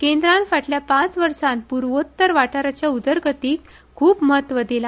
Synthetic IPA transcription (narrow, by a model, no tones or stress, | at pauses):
kẽnd̪ɾãnfaʈljapãt͡sʋəɾsãnt̪̚puɾʋot̪ːəɾʋaʈaɾat͡ɕjaud̪əɾɡət̪iːkʰː | uːpməɦət̪ʋəd̪ila